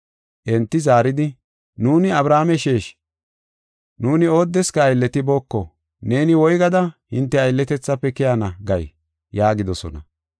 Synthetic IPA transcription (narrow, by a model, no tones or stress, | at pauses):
ʔɛnt̪ːɪzaːɾɪd̪ɪ | nuːnɪɐbɾaːmɛʃeːʃ | nuːnɪo̞ːd̪ːɛskɐːjlːɛt̪ɪbo̞ːkːɔ | ne̞ːnɪwɔjɡɐd̪ɐhɪnt̪ːɛɐjlːɛt̪ɛt͡sːɐpːɛkɪjanɐɡɐj | jaːɡɪd̪ɔsɔ̰nɐ̰